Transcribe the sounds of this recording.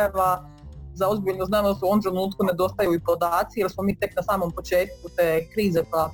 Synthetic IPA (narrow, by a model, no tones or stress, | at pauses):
aʋa | zaozbiʎnoznaːmd̪asuoomt̪ɾe̞nuːt̪kune̞d̪o̞st̪ajeuipod̪aːt̪sijeɾsmomiːt̪e̞knasaːmo̞mpo̞t͡ʃe̞ːt̪̚kut̪eːkɾiːzekoja